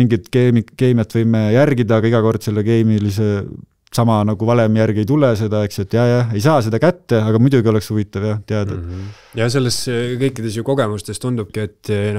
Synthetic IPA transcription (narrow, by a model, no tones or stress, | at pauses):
iŋɡit̪keːmike̞ːmijɑt̪ːˑvɤjmejærɡid̪ɑːɡ̥ɑiɡ̥ɑko̞rd̪̥se̞lːeke̞ːmilis̬e̞ | sɑmɑnɑɡ̥uvɑle̞mjærɡ̥iejt̪̬ulese̞d̪ɑe̞kse̞t̪ːˑjɑjɑe̞js̬ɑːse̞d̪̥ɑkæt̪ːe̞ɑɡ̥ɑmud̪uɡio̞le̞kshuvit̪ːˑɑvjɑt̪eɑd̪̥ɑ | jɑse̞lːeskɤjkːˑid̪̥e̞s̬juko̞ɡ̥e̞must̪est̪und̪ub̚kiet̪ː